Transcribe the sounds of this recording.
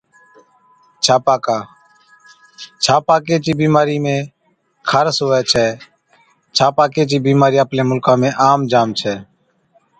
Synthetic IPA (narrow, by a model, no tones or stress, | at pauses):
t͡ʃʰaːpaːkaː | t͡ʃʰaːpaːkeːt͡ʃiːbiːmaːɾiːmẽː | kʰəɾsɦoːɛːt͡ʃʰɛː | t͡ʃʰaːpaːkeːt͡ʃiːbiːmaːɾiːəpleːmʊlkãːmẽːʔaːmd͡ʒaːmt͡ʃʰɛː